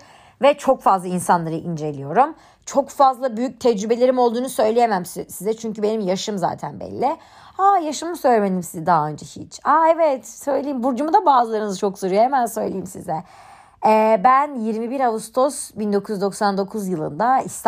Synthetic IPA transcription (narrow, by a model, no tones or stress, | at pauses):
vɛt͡ʃʰo̞kfazlˠainsanlˠaɾɯʔind͡ʒe̞lʲijo̞ɾum | t͡ʃʰo̞kfazlˠabyjyc̚t̪ʰɛd͡ʒɾybe̞lʲe̞ɾimo̞lˠd̪uːnusø̞jlʲejemæmssizɛt͡ʃʰyɲcybe̞nimjaʃɯmza̰ːt̪ʰænbɛ̰lʲːɪ | ajaʃɯmɯsø̞jlʲemed̪imsizɛd̪aɦaø̞nd͡ʒɛhḭt͡ʃaevɛt̪sø̞jlʲejimbuɾd͡ʒumud̪abaːzɯlˠaɾɯnzɯt͡ʃʰo̞ksoɾujohemænsø̞jlʲejimsizɛ | ɛːbænjiɾmibiɾavust̪ʰo̞sbind̪o̞kʰujyzd̪o̞ksand̪o̞kʰuzjɯlˠɯnd̪aist̪ʰ